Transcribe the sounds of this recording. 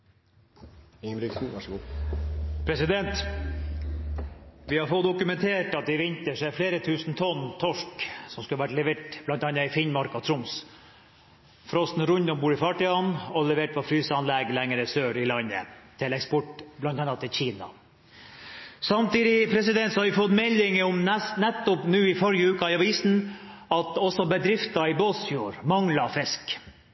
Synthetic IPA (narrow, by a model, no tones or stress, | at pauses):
ɪŋɾɪks̩ʋɑʂɡuː | pʰɾɛsɪd̪ɛnt̪ | ʋɪhɑɾfɔt̪ːd̪ʊkʉmɛnt̪ʰeːʈɑt̪̚d̪ɪʋɪnt̪əʂæfleːɾət̪ʰʉːsn̩t̪ʰɔnːt̪ʰɔʂksɔmskʉlːəʋæʈlɛʋeːʈ̚b̥lɑnt̪ɑnːɑɪfɪnmɑɾkɑt̪ʰɾʊms | fɾɔst̪n̩ɾʉnd̪ʊmbuːɾɪfɑʈɪɑnɔlɛʋeːʈʋɑfɾyːsɑnlɛɡlɛŋəɾəsøːɾɪlɑɲːə̰t̪ʰɪlɛkspɔʈblɑnt̪ɑnːɑt̪ʰːɪlçiːnɑ̰ | sɑmt̪iːd̪ɪpʰɾɛsɪd̪ɛnt̪sɔhɑɾʋɪfɔt̪ːmɛlɪŋəɔmɛsnɛt̪ːʊpnʉːɪfɔɾjəʉːkɑɪɑʋiːsn̩ɑt̪ɔsɔbəd̪ɾɪft̪ɑɪbosjuːɾmɑŋlɑfɪsk